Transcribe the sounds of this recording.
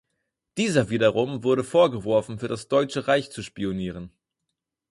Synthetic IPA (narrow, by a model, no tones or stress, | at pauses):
d̥iːzɐviːdɐʁʊmvʊɐɾəfoːɐɡəvɔɐfn̩fyːɐdasd̥ɔʏt͡ʃəʁaɪçt͡suʃpioniːʁ̞ən